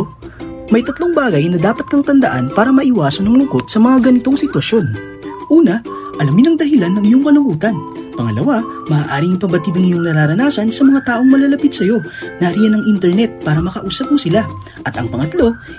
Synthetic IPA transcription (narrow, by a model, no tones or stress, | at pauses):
mɐjt̪ɐt̪lo̞ŋbaːɡɐjnɐd̪aːpɐt̪̚kɐŋt̪ɐnd̪ɐʔanpaːɾɐmɐʔɪwaːsɐnɐŋlʊŋko̞t̪̚sɐmɐŋaɡɐnɪt̪o̞ŋsɪt̪wɐʃjo̞n | ʔuːnɐ | ʔɐlamɲɪnɐŋd̪ɐɦɪlanːɐŋɪɲo̞ŋkɐlʊmuːt̪ɐnpɐŋɐlɐwamɐʔaːʔaːɾɪŋpɐmbɐt̪iːd̪ɐŋɪɲoŋnɐɾaːɾɐnaːsɐnsɐmɐŋat̪aːʔo̞ŋmɐlɐlɐpit̪̚sɐjo̞nɐʔɾijɐnɐŋʔint̪ɛɾnɛt̪̚paːɾɐmɐkɐʔuːsɐp̚mosɪla | ʔɐt̪ɐŋpɐŋɐt̪lo̞